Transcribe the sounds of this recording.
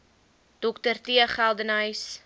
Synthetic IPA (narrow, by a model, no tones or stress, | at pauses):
d̥ɔktərtiəχælˠdənəjs